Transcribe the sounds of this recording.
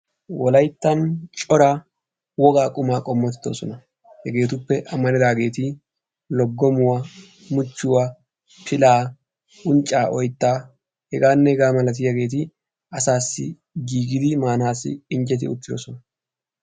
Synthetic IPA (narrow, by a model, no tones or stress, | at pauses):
wɔlɐjt̪ːɐnt͡ʃʼɔɾaː | wɔɡaːkʼʊmaːkʼɔmːɔt̪ɪ̥t̪ːoːsɔnɐ | hɛɡe̞ːt̪ʊpːɛʔɐmːɐnɛd̪aːɡe̞ːt̪ɪ | lɔɡːɔmʊwɐ | mʊt͡ʃːʊwɐ | pɪlaː | ʊnt͡ʃʼːaːʔɔjt̪ːaː | hɛɡaːnːɛhɛɡaːmɐlɐt̪̬ɪjɐɡe̞ːt̪̬ɪ | ɐsaːsːɪ̰ | ɡiːɡɪd̪ɪmaːnaːsːɪ̰ɪnt͡ʃʼɛt̪̬ɪ̰ʊ̰tt̪ːɪd̪ɔ̰sɔnɐ